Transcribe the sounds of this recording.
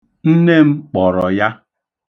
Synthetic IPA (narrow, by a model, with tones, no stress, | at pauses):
n̩˦ne˦m̩˦k͡pɔ˨ɾɔ˨ja˦